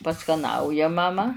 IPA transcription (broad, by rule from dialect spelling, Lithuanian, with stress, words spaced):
pɐskɐˈnɐʊjɛ mɐˈmɐ